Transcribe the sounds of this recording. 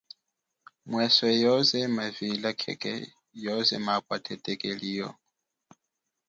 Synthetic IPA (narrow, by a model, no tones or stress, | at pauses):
mwɛsɛjɔzɛmavilakʰɛ̰kʼɛ̰ | jɔzɛmakʼwatʰɛtʼɛkʼeliːjɔ̰